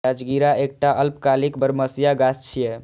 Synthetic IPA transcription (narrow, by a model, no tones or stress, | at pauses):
ad͡ʒɡiɾaek̚ʈaʔəlpkalikbəɾməsjaɡast͡ʃʰije